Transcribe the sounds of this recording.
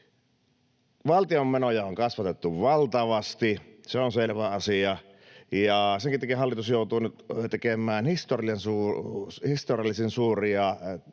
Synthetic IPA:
ʋɑlt̪iomːenojɑoŋkɑsʋɑt̪et̪ːuʋʋɑlt̪ɑʋɑst̪iseonselʋæɑsiɑ | jɑseŋkit̪ekihɑlːit̪usjoˑut̪uːnyt̪t̪ekemˑæːnhist̪oriˑensuːhist̪orijɑlːˑisinsuːriɑ

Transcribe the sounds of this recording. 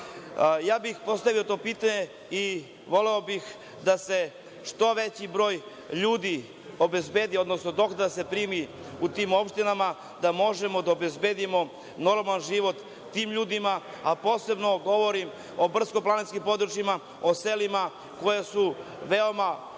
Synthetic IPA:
jaːbixpo̞st̪aʋiot̪o̞ːpiːt̪aɲe | i | ʋo̞leo̞bix | d̪ase̞ | ʂt̪o̞ʋet͡ɕibɾo̞ːj | ʎuːd̪i | o̞be̞zbed̪io̞d̪nosno̞d̪o̞kd̪ase̞pɾiːmi | ut̪iːmo̞pʃt̪inama | d̪amo̞ʒe̞mo̞d̪aobe̞zbeːd̪imo̞ | noɾmanʒiʋo̞t̪ː | iːmʎuːd̪ima | apo̞ːse̞bno̞ɡo̞ʋo̞ɾim | o̞br̩skoplˠaninskimpo̞d̪ɾut͡ʃjima | o̞se̞lima | ko̞jesu | ʋe̞o̞ma

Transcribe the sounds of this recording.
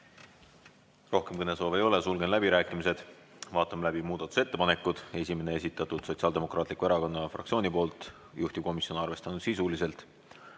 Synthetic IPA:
ro̞hke̞mkɤne̞so̞ːve̞jo̞le̞sulɡe̞nlæbiɾæːkːˑimise̞d̪̥ | vɑːt̪ːˑɑmlæbimuːd̪̥ɑt̪ːˑu̥se̞t̪ːe̞pɑne̞kːˑud̪̥e̞s̬ʲime̞ne̞es̬ʲit̪ːˑɑt̪ːˑud̪̥so̞t̪ʲsiɑld̪e̞mo̞kɾrɑːt̪likːˑueɾɑko̞nːɑfrɑkt̪sio̞ːnipo̞ːlt̪ˑ | juht̪ib̥̚ko̞misio̞nɑrve̞st̪ɑnud̪̥sisulise̞lt̪ˑ

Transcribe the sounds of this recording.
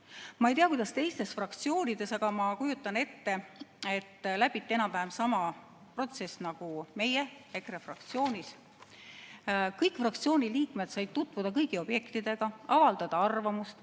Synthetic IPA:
mɑejt̪eɑkujd̪̥ɑst̪e̞jst̪e̞sfrɑkt̪sio̞ːnʲid̪̥e̞sɑɡ̥ɑmɑkujut̪ˑːɑne̞t̪ːe̞e̞t̪ːlæb̥it̪ːˑe̞nɑpæːmsɑmɑ | pro̞t̪se̞snɑɡ̥ume̞jee̞krefrɑk̚t̪sio̞ːnʲis | kɤjkˑfrɑk̚t̪sio̞ːnʲiliːkmed̪sɑjd̪̚t̪ut̪ːˑvud̪̥ɑkɤjɡio̞b̥je̞kt̪id̪̥e̞ɡ̥ɑɑvɑld̪̥ɑd̪̥ɑɑrvɑmust̪

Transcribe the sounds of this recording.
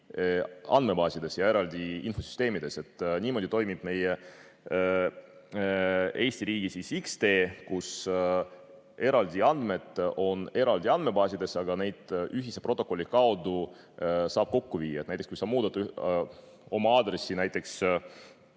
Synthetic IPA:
ɑ̰nd̪̚me̞bɑːsʲid̪e̞sjɑe̞ɾɑld̪ʲiḭnfo̞sy̥st̪e̞ːmid̪e̞se̞t̪ːˑnʲiːmo̞d̪ʲit̪o̞jmib̥me̞je | e̞ːsʲt̪iɾiːɡ̥isisikst̪e̞ːkus | e̞ɾɑld̪̥ʲiɑnd̪me̞t̪ːˑo̞ne̞ɾɑld̪ʲiɑnd̪me̞bɑːsʲid̪e̞sɑɡɑne̞jd̪̥ʔyɦise̞pro̞t̪ːˑokːˑo̞lʲːikɑod̪u | sɑːb̥̚ko̞kːuviːjːɑet̪næjt̪ekskujsɑmuːd̪ɑt̪ːˑ | o̞mɑɑːd̪ɾe̞sːinæjt̪ːˑe̞ks

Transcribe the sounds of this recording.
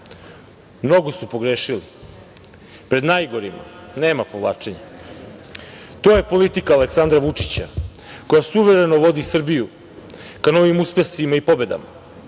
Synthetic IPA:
mno̞ɡosupo̞ɡɾeːʃili | pɾe̞d̪najɡo̞ɾima̰ne̞ːmapo̞ʋlˠaːt͡ʂe̞ɲa | t̪oːjepo̞lit̪ikaːleksand̪ɾaʋut͡ʂit͡ɕa̰ | ko̞jasuʋe̞ɾe̞noʋo̞d̪isr̩biju | kano̞ʋimuspesimaipo̞be̞d̪a̰ma̰

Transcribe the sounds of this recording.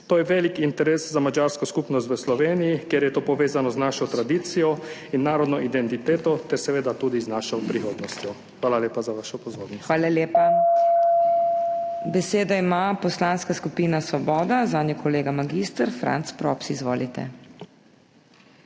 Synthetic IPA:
t̪oːjɛʋeːlikint̪ɛɾeːszamad͡ʒaːɾskɔskupnɔs̬t̪ʋəslɔʋeːnijikjeːɾjɛt̪oːpɔʋeːzanɔznaːʃɔt̪ɾad̪iːt̪sijɔinːaːɾɔd̪nɔʔid̪ɛnt̪it̪eːt̪ɔt̪ɛɾsɛʋeːd̪at̪uːd̪iznaːʃɔpɾixoːd̪nɔst̪jɔ | xʋaːlaleːpazaʋaʃɔpɔzoːɾnɔxʋaːlaljeːpa | bɛseːd̪aimapɔslaːnskaskupiːnasʋɔbɔːd̪azaːd̪njɔkʰɔleːɡamaɡist̪əɾfɾa̰nt̪spɾɔ̰ːpsiːzʋo̰ːlit̪ɛ̰

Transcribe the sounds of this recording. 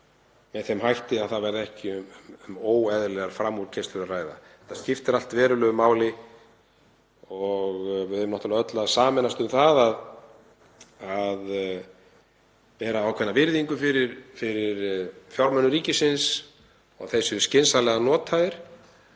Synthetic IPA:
mɛðθɛmhajht̪ɪaðθaðvɛɾðɛhcɪʏmmʏmoːwɛðlɛɣaɾfɾamːuɾ̥cʰɛst̪lʏɾaraːjða̰ | ɛ̥ht̪ːascɪft̪ɪɾal̥t̪vɛːɾʏlœɣʏmaːwlɪ | ɔɣvɪðɛmnɔht̪alɛaœt̪laðsaːmɛnast̪ʏmθaðað | að | pɛːɾaaːwkʰɛnːavɪɾðiŋkʏfɪɾɪɾfɪɾɪɾfjɔawɾmœnːʏɾiːcɪsɪns | ɔɣθesʏscɪnsalɛɣanɔːt̪ʰaðɪɾ̥

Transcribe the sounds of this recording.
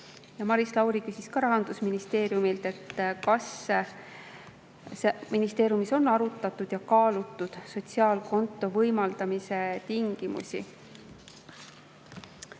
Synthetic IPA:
jɑmɑɾislɑwɾikysiskɑɾɑɦɑnd̪̥usminist̪e̞ːɾjumilt̪e̞t̪ːkɑs | seminist̪e̞ːɾjumiso̞nːɑɾut̪ːˑɑt̪ːˑud̪̥jɑkɑːlut̪ˑːud̪̥so̞t̪ʲsiɑːlko̞nt̪ːˑo̞vɤjmɑld̪̥ɑmise̞t̪iŋɡ̥imṵsḭ

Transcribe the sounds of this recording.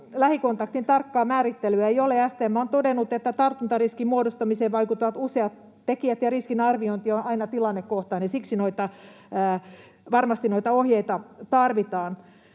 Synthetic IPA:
læhikont̪ɑkt̪int̪ɑrkːɑːmæːɾit̪ːelyæeioleæst̪eːmːæont̪odenːut̪et̪ːæt̪ɑrt̪unt̪ɑriskimmuodost̪ɑmiseːʋɑikut̪ːoʋɑt̪useɑt̪ | tekiæt̪jɑriskinɑrʋioint̪ionɑinɑt̪ilɑnːekkoht̪ɑːnisiksinoit̪ɑ | əː | ʋɑrmɑst̪inoit̪ɑohjeit̪ɑt̪ɑrʋit̪ɑːn

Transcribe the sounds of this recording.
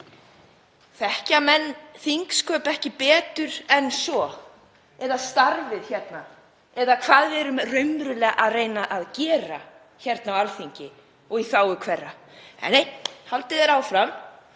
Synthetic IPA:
θɛhcamɛnːθiŋkskʰœːpɛhcɪpɛːt̪ʏɾɛnsɔ | ɛðast̪aɾvɪðçɛt̪na | ɛðakʰvaːðvɪɛɾʏmrʏɥmɾʏlɛːɣaʔaðreːjnaʔaðcɛːɾa̰ | çɛɾt̪nawalθiɲcɪ | ɔɣiθaːwʏkʰvɛrːa | ɛ̰nːejhalt̪ɪðɛɾaːwfɾam

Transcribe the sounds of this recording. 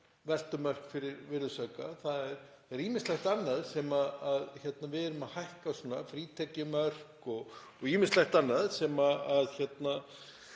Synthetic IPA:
vɛl̥t̪ʏmœr̥kfɪɾɪɾvɪɾðʏsœkaθaðɛɾθaðɛɾiːmɪnst̪lajxt̪anːaðsɛmaðaðçɛt̪navɪðɛɾʏmaðhajhkasɔːnafɾiːt̪ʰɛcɪmœr̥kɔɣ | ɔɣiːmɪnst̪lajxt̪anːaðsɛmaaðçɛt̪na

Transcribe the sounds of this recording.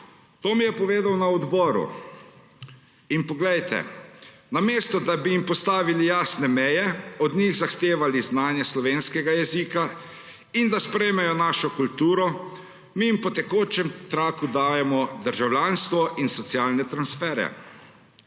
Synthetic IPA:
t̪oːmijɛpɔʋeːd̪awnaɔd̪bɔːɾṵ | inpɔɡlɛjt̪ɛ̰ | nameːst̪ɔd̪abiimpɔst̪aːʋilijaːsnɛmɛjɛɔd̪ɲiɣzaxt̪eːʋaliznaːnjɛslɔʋeːnskɛɡajɛziːka | ind̪aspɾɛjmɛjɔnaːʃɔkult̪uːɾɔ | mijimpɔt̪ɛkoːt͡ʃɛmt̪ɾaːkud̪aːjɛmɔd̪əɾʒawlʲanst̪ʋɔʔinsɔt̪siaːlnɛt̪ɾansfɛːɾɛ̰

